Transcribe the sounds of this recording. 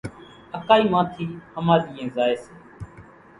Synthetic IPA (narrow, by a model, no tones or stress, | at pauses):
əkaːiːʋãːt̪ʰiːhəmaːɗiːẽːzaːeːseː